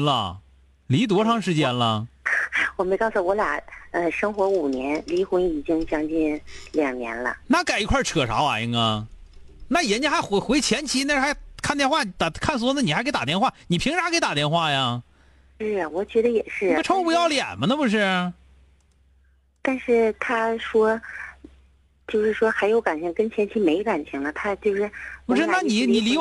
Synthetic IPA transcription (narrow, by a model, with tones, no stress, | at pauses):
nlə̰˧ | li˧˥t̪wɔ˧˥ʈ͡ʂʰɑ˥˧ŋʂɻ̩˥˧t͡ɕjɛ˧˥nlə̰˧ | wɔ˨˩me˧˥ɪkɑ˥˩ʊsu˨˩wɔ˧˥la̰˨˩ə˧ʂɤ˥ŋxwɔ˧˥u˨˩njɛ˧˥nli˧˥xʊ˧˥ni˨˩t͡ɕi˥ŋt͡ɕjɑ˥ŋt͡ɕi˥˧nljɑ˨˩ŋnjɛ̰˧˥nlə̰˧na˥˩ka˨˩ɪi˧˥kʰwa˥˩ʈ͡ʂʰɤ˨˩ʂɑ˧˥ʊa̰˧i˧˥ŋɡa˧ɪ | na˥˩jɛ˧˥nt͡ɕɛ˥xa˧˥ɪxxwe˧˥ɪt͡ɕʰjɛ˧˥nt͡ɕʰi˧˥na˥˧ʂ̩˥˩xa˧˥ɪkʰnt̪jɛ˥˧nxwa˥˩˧t̪kʰa˥˩ns̬wɔ˥nə˧ni˨˩xa˧˥kɪt̪a˨˩t̪jɛ˥˧nxwa˥˩ni˨˩pʰi˧˥ŋʈ͡ʂa˧˥ke˧˥ɪt̪a˨˩t̪jɛ˥˧nxwa˥˩ja˩ | ʂɻ̩˥˩wɔ˨˩t͡ɕɥɛ˧˥d̪ə˧jɛ˨˩ʂɻ̩˥˩˧ʈ͡ʂʰɑ˥ŋ˥˩pu˧˩jɑ˥˩ʊljɛ̰˨˩nmə˦nə˧pu˧ʂ̬ɻ̩˥˩ | t̪a˥˧nʂɻ̩˥˩t̪ʰa˥ʂwɔ˥ | t͡ɕjo˥˧ʊʂɻ̩˥˩ʂwɔ˥xa˧˥ɪjo˧˥ʊka˨˩nt͡ɕʰi˧˥˩ŋkə˥nt͡ɕʰjɛ˧˥nt͡ɕʰi˧˥me˧˥ɪka˨˩nt͡ɕʰi˧˥ŋlə˧t̪ʰa˥t͡ɕjo˥˧ʊʂɻ̩˥˩pu˧ʂɻ̩˥˩˥na˥˩ni˨˩i˨˩li˧˥